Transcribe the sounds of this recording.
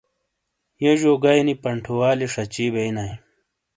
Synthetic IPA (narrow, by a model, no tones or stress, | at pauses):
jeʑoːɡajnipɐɳʈʰowaːliʂɐt͡ɕiːbeinaj